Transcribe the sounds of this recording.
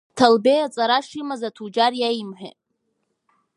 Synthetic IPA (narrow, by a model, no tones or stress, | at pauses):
tʰalbejat͡sʼaɾaʂimazatʰud͡ʒarjajimħʷᶣḛt